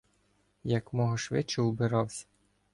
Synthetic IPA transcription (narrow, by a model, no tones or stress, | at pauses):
jɐkmɔɦɔʃʋɪt͡ʃɛubɪɾɑwsʲɐ̥